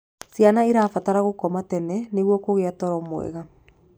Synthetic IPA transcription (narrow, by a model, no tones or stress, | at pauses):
sjanaiɾaːfataɾaɣokɔmatɛnɛneɣwɔkoɣeatɔɾɔmwɛ̰ɣa